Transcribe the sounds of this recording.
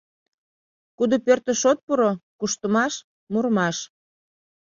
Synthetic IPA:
kud̪opørt̪ə̆ʃot̪̚puɾokuʃt̪əmɑʃ | murmɑʃ

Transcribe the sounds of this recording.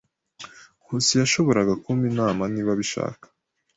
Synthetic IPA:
husijaʃo̞βo̞ɾaɡakuminaːmaniβaβiʃa̰ːkḁ

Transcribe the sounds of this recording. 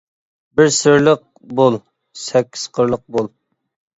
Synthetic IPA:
bɪɾsɪɾləq̚ | bolˠ | sɛkʲʰːi̥z̥qʰəɾlˠəq̚bolˠ

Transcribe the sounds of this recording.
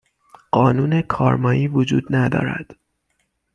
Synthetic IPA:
ɢɒːnuːne̞kʰɒːɾmɒːʔiːvod͡ʒṵːd̪næd̪ɒ̰ːɾæ̰d̪̥

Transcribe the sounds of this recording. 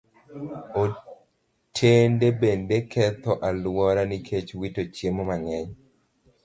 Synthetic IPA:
o | tʰendebendekʰɛt̪ɔʔalwɔɾanikʰet͡ʃwitot͡ʃjemomaŋɛɲ

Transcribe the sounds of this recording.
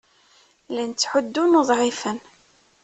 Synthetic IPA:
lænt͡sːħʊd̪ːunuðˤʕifən

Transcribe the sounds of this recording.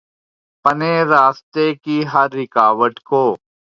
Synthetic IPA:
pɐneːɾaːst̪eːkiɦɐɾːɪkaːʋəʈkoː

